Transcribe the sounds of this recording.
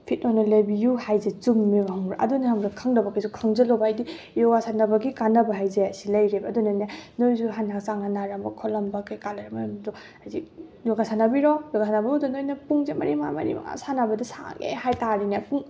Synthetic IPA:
pʰit̚nɔnɐlɐjbijuhajzet͡ʃumːibaɦaŋɾaʔɐ̰dunihɐmɾakʰaŋnɐbɐkɐjsukʰaŋzɐlowbajdi | jɔɡasanɐbɐɡikanɐbɐɦajzeɐsilɐjɾebːdunɐnenojsuɦanak̚saŋanaɾɐmbɐkʰɔlɐmbɐkɐjkalɐɾɐmajmdɔ | hazik̚ | jɔɡasanɐbiɾɔjɔɡasʰanɐbɐdɔnojnɐpuŋzemɐ̰ɾima̰mɐ̰ɾḭma̰ŋa̰sanɐbɐdisa̰ŋḛhajtaɾinapuŋ

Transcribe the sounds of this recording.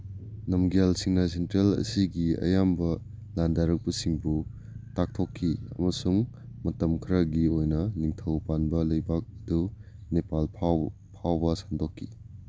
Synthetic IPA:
nɐmɡalsiŋnasentɾelɐ̰siɡiɐ̰jambɐ | landaɾɐk̚pɐsiŋbu | tak̚tʰokʰːiɐ̰mɐsuŋmɐtɐmkʰiɾɐɡiojnɐniŋtʰɐwpanbɐlɐjbak̚ɐdu | nepalpʰ | pʰawbɐsandokʰːi

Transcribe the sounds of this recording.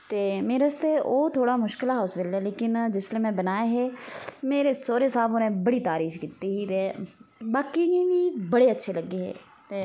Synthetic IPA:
t̪eːmeːɾest̪eʔoːt̪ʰoːɽaːmʊʃkɪlaɦɔːsbɪlɛːleːkɪnd͡ʒɪsleːmɛ̃ːbənaːeɦeːmeːɾesoːɾeːsaːbʊnẽːbəɽiːt̪aːɾiːfkiːt̪iɦiːt̪eːbaːkieʋiːbɐɽeːətːʃʰeləɡːeːɦḛː | t̪eː

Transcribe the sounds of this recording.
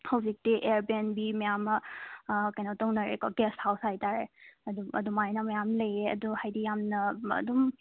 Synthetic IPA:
hɐwzik̚tiʔeɾbenbimɐjamɐ | kɐjnɔtɔŋnɐɾekɔɡesthawsajtaɾeɐduɐ̰dumajnamɐjamlɐjeɐ̰duhajdijamnɐɐ̰dum

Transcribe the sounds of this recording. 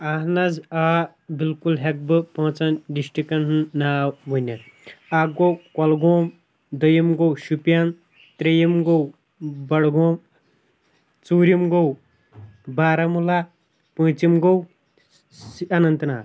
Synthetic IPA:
anɐza | bilkulɦek̚bɨpɐɦt͡sɐnɖisʈikɐnnaːʋɐnʲɐn | aɡowkɔlɡoːm | d̪ɐjɐmɡowʃupjaːn | t̪ɾejimɡow | bɐɽɡoːm | t͡suːɾimɡow | baːɾɐmula | pə̃ːt͡simɡow | ɐnɐnt̪naːt̪

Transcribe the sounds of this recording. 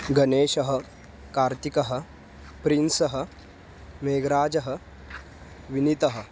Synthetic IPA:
ɡɐneːʃɐɦə̆ | kaːɾt̪ikɐɦə̆ | pɾinsɐɦə̆ | meːɡɾaːd͡ʒɐɦə̆ | ʋinit̪ɐɦə̆

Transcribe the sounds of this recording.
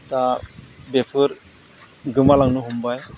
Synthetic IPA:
tabepʰɯɾ | ɡɯmalaŋnuɦumbaj

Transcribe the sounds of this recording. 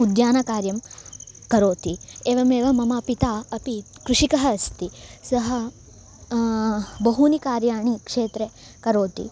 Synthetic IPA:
ud̪jaːnɐkaːɾjɐmkɐɾoːt̪ieːʋɐmeːʋɐmɐmapit̪aːɐpikɾuʂikɐɦɐːst̪isɐɦɐ̆ | bɐɦunikaːɾjaːɳikʂeːt̪ɾekɐɾoːt̪ḭ

